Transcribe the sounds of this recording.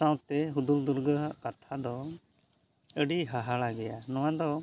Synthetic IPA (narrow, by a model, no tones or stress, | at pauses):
sawt̪ɛɦud̪uld̪uɾɡəɦʔkat̪ʰad̪ɔ | əɖiɦaɦaɭaɡɛjanɔwad̪ɔ